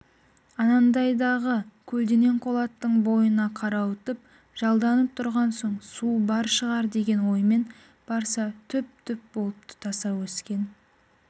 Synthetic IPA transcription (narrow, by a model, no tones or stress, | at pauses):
ɑnɑnd̪ɑjd̪ɑʁəkʲʰɵld̪ene̞ɴqʰo̞lˠɑt̪ːəɴbo̞jənɑqʰɑɾɑwət̪əp̚ | ʒ̥ɑlˠd̪ɑnəp̚t̪ʰʊɾʁɑnso̞ɴsubɑɾʃəʁɑɾd̪e̞ɡʲe̞nwo̞jme̞n | b̥ɑɾsɑt̪ʰʏp̚t̪ʰʏp̚bo̞lˠəp̚t̪ʰə̥t̪ʰɑsɑwɵskʲe̞n